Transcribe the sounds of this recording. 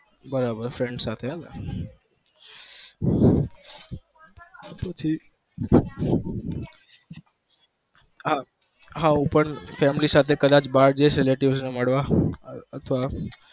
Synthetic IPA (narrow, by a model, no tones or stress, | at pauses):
bəɾabəɾfɾeɳɖsat̪ʰeɦala | pət͡ʃʰi | ɦa | ɦãupəɳfɛmlisat̪ʰekəd̪at͡ʃbaɾd͡ʒesɾeleʈiʋsneməɽʋaət̪ʰəʋa